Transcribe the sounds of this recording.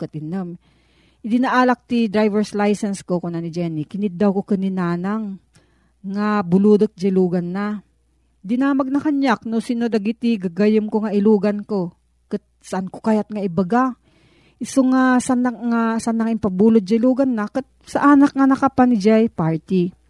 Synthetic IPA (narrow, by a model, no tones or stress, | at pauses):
kɐt̪̚ɪnom | ʔɪd̪ɪnaʔaːlɐk̚t̪id̪ɾajvɛɹslajsɛnskokonanɪd͡ʒɛnikɪnɪt̪̚d̪awkokɐnɪnaːnaŋː | abʊluːd̪ok̪̚d͡ʒɐluːɡɐnːa | d̪ɪnaːmɐɡ̚nɐhaɲjak̚nosinod̪ɐɡit̪iɡaɡajɪmkoŋaʔɪluːɡɐnko | kɐt̪̚sɐʔankokajɐt̪̚ŋaʔɪbɐɡa | ʔɪsoŋasanaŋasanːɐŋɪmpɐbuːlot̪̚d͡ʒɐɪluːɡɐnːakat̪̚sɐʔaːnɐk̚ŋanɐkɐpanɪd͡ʒajpaɹt̪i